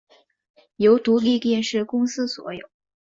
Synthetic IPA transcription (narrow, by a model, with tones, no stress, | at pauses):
jo˧˥ʊt̪u˧˥li˥˧t̪jɛ˥˧nʂɻ̩˥˩kʊ˥ŋsɹ̩˥swɔ̰˧˥jo̰˨˩˦ʊ